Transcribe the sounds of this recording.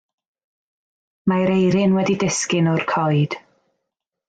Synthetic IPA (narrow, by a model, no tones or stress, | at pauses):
maɾejɾɪnwɛdidɪskɪnɔrkʰɔjd̥